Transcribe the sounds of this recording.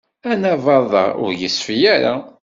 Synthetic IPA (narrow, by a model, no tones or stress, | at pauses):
ænævɑðˤɑ̰ʊ̰ɾjəsfjæɾa̰